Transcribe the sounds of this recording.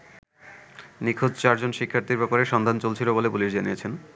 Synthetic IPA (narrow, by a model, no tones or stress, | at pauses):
nikʰod͡ʑt͡ɕaɾd͡ʑonʃikʰːaɾt̪iɾbɛpoɾeʃɔnd̪ʱant͡ɕolt͡ɕʰilobolepuliʃd͡ʑaniet͡ɕʰen